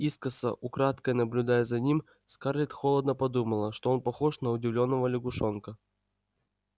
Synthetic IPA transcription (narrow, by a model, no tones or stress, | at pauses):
iskəsə̰ʔʊkɾat̪kəjnəblʲʊd̪ajəzɐnʲim | skarlʲɪt̪xolˠəd̪nəpɐd̪uməlˠəʂt̪oo̞npɐxoʂnəʊdʲɪvlʲo̞nːəvəlʲɪɡʊʂonkə